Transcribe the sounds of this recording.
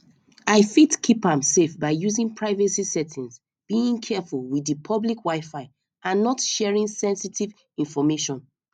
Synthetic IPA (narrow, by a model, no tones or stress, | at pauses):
aɪfitkʰipãmsefbaɪjuzĩŋpʰɹaɪvɛsisɛtʰĩns | b̥iĩŋkʰɛfulˠwidɨpʰɔblikwaɪfaɪ | ãnːɔtʃɛɹĩŋsɛ̃nsitʰiv | ĩnfɔmeʃɔ̃n